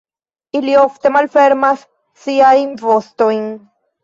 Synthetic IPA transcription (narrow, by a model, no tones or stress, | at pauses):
ilioft̪emalfeɾmas | siaimvost̪oiŋ